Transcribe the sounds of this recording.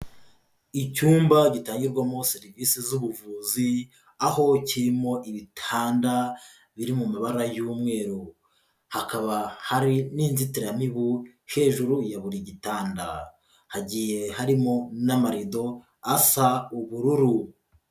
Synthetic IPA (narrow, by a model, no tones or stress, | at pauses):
icuːmbaɟitaːɲɟiɾɡwamo̞seɾiviːsizuβuvuːzi | aho̞ciɾimo̞ʔiβitʰaːnda | βiɾimumaβaɾajuːmŋe̞ːɾu | hakaβahaɾiniːnzitiɾamiβu | he̞ːʒuɾujaβuɾiɟitaːnda | haɟiːje̞haɾimo̞namaɾido̞ | asauβuɾuɾu